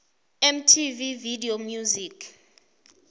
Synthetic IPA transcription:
ɛm̩tʰivividiomjuzikʰ

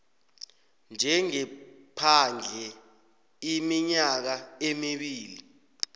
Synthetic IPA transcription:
nd͡ʒʱɛŋɛpʰand͡ɮʱɛ | imiɲak̬aemiɓiːli

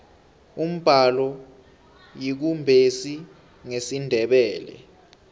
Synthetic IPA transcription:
um̩b̥ʱalɔ | jik̬umbʱesi | ŋesindʱɛɓɛːlɛ̰

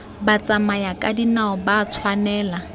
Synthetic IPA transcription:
bat͡sʼamajakʼadinaʊbaːt͡sʰwanɛːla

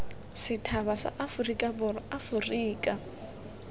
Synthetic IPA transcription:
sɪtʰaβasa̰ʔafurikʼabʊrʊafuriːkʼa

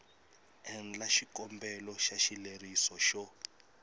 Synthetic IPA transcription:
ɛnlaʃikɔmbɛlɔʃaʃilerisɔʃɔ

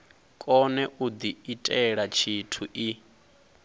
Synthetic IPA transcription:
kʼɔnɛʔud̪iitʼɛɺat͡ʃʰitʰuʔi

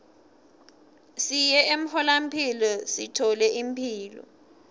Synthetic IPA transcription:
sijɛem̩hɔlam̩pʰilɔsitʰɔlɛʔim̩pʰiːlɔ̰

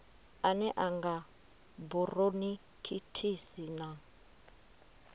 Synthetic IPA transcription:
anɛʔaŋɡa | buroni | kʰitʰisina

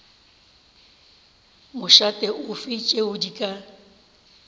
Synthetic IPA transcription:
mʊʃatʼɛʔʊfɪt͡ʃʼeʊdikʼa

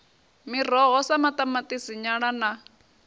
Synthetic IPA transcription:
mir̤ɔɦɔsamat̪ʼamat̪ʼisiɲaɺana

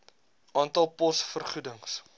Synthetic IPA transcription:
ʔɑːntɐlˠpɔsfərχudəŋs

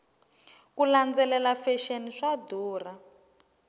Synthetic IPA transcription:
kuland͡zɛlɛlafɛʃeniʂaduːra

